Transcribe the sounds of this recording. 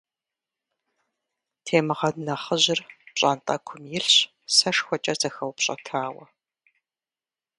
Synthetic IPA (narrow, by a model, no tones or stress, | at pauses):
tʰeːmɨʁɐdnɐχəʑɪrpɕʼaːntʼɐkʷʰʊmjɪɬɕ | sɐʂxʷɔt͡ʃʼɐzɐxɐwpɕʼɐ̰tʰaːwɐ